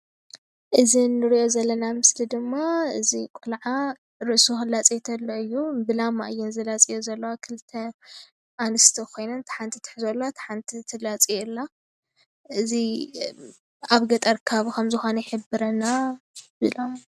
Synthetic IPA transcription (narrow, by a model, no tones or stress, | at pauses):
ʔɨzinːɨɾiʔo̞zɐlːɐnamɨslid̪ɨmːaɨzikʼulʕa | ɾɨʔsuxɨlːat͡sʼet̪ʰɐlːoɨjːubɨlama̰ʔɨjːɛnzɨlat͡sʼijozɐlːɐwakʰɨlt̪ʰɐ | ʔanɨst̪ʰɐkʰo̞jnɐnt̪ʰħant̪ʰit̪ʰɨ̥ħzolːoat̪ʰħant̪ʰit̪ʰɨlat͡sʼiɨlːa | ʔɨzi | aβɡɐt̪ʼɐɾkʰaβkʰɐmzɨxonɐjħɨbːɨɾɐnabɨlam